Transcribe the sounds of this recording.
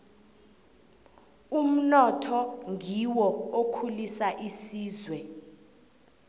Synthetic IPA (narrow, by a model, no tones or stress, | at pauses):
um̩nɔtʰɔŋiwɔokʰulisaʔisiːzwɛ